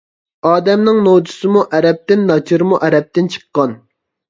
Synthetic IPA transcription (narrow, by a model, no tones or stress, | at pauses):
ɑːd̪ɛmnɪŋnod̪usɨmuʔɛɾɛp̚t̪ɪnːɑt͡ʃʰiɾmuʔɛɾɛp̚t̪ɪnt͡ʃʰə̥qːɑn